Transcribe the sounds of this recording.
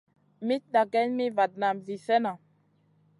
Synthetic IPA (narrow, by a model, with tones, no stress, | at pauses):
mi˦t̚ɗa˨ɡɛ˦nmi˦va˨d̚na˨mvi˨sɛ˦na˨